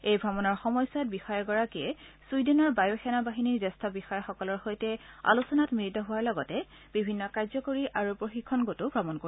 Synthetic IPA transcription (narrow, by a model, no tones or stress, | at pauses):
ejbʱɹɔmɔnɔɹxɔmɔjsat̚bixɔjaɹɡɔɹakiɛsujdɛnɔɹbajoxɛnabaɦiniɹdɛstʰɔbixɔjaxɔkɔlɔɹxojtɛa̰lusɔnatmiitɔɦʊwaɹlɔɡɔtɛ | bibʱinːɔkaɹzɔkoɹiʔaɹupɹoxikʰːɔnɡotubʱɹɔmɔnkoi